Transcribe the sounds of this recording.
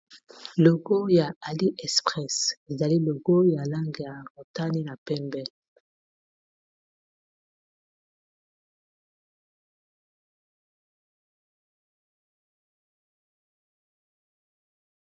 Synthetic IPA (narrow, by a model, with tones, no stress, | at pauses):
lo˨ɡo˦ja˨a˨li˦ʔɛ˨spʁɛ˦˨se˨za˨li˦lo˨ɡo˦ja˨la˦ŋɡe˨ja˨ʁo˨ta˦ni˦na˨pɛ˦mbɛ˨l